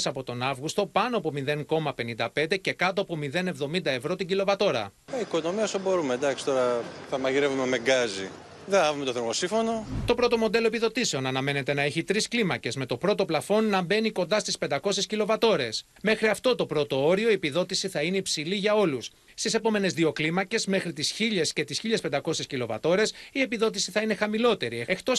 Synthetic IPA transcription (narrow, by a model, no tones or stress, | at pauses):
sɐpo̞t̪o̞nɐvɣust̪o̞pɐnoɐpomiðe̞ŋko̞mɐpe̞nind̪ɐpe̞nd̪e̞ce̞kɐt̪oɐpo̞miðe̞ne̞vðo̞mind̪ɐe̞vɾo̞t̪iɟilo̞vɐt̪o̞ɾɐ̰ | ɐiko̞no̞miɐsobo̞ɾumed̪ɐksi̥t̪o̞ɾɐθɐmɐʝiɾevume̞meɡɐzḭ | ðeɐvumet̪oθemosĩfo̞no̞t̪o̞pɾo̞t̪o̞mo̞d̪e̞lo̞epiðo̞t̪ise̞o̞nɐnɐme̞ne̞t̪e̞nɐe̞çit̪ɾisklimɐce̞zme̞t̪o̞pɾo̞t̪o̞plɐfo̞nːɐbe̞niko̞nd̪ɐst̪ispend̪ɐko̞sescilo̞vɐt̪o̞ɾe̞s | me̞xɾiɐft̪o̞t̪o̞pɾo̞t̪o̞o̞ɾio̞ie̞piðo̞t̪isiθɐineipsiliʝɐo̞lus | st̪ise̞po̞me̞ne̞zðio̞klimɐce̞zme̞xɾit̪isçiʎe̞sce̞t̪isçiʎespe̞nd̪ɐko̞sescilo̞vɐ̰t̪o̞ɾe̞sie̞piðo̞t̪̬isiθɐine̞xɐmilo̞t̪e̞ɾiekt̪o̞